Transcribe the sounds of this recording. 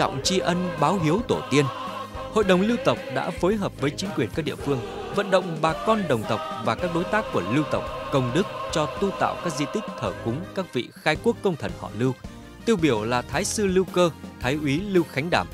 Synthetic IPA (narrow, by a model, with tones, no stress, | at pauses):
ɔ̰˧˨wŋ͡mt͡ɕi˧ʔə˧nɓaː˨˦wɦi˨˦əwt̪o˧˩t̪i˧ən | ho̰˧˨jɗə˨˩wŋ͡mli˧wt̪ə˨˩wk͡p̚ɗa̰ː˧˥foː˨˦jɦəː˨˩p̚vəː˨˦jt͡ɕï˨˦ŋ̟kwi˨˩ənkaː˦˥k̚ɗi˧˨əfɨ˧əŋ | və̰˧˨nɗə̰˧˨wŋ͡mɓaː˨˩kɔ˧nɗə˨˩wŋ͡mt̪ə˨˩wk͡p̚vaː˨˩kaː˦˥k̚ɗo˨˦jt̪aː˦˥kːu˧˩əli˧wt̪ə˨˩wk͡p̚kə˧wŋ͡mɗɨ˦˥k̚t͡ɕɔ˧t̪u˧t̪a̰ː˧˨wkaː˦˥k̚zi˧t̪ï˦˥k̟̚t̪ʰəː˧˩xʊ˨˦ŋ͡mkaː˦˥k̚vḭ˧˨xaː˧jku˦˥əkːə˧wŋ͡mt̪ʰə˨˧˩nhɔ̰˧˩lɨ˧w | t̪i˧əwɓi˧˩əwlaː˨˩t̪ʰaː˨˦jsɨ˧li˧wkəː˧t̪ʰaː˨˦jʔwi˨˦li˧wxa˨˦jŋ̟ɗaː˧˩m